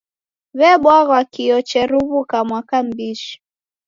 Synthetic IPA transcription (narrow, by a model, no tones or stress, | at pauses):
βɛɓwaɣɔakijɔt͡ʃɛɾuβukamwakam̩biʃi̥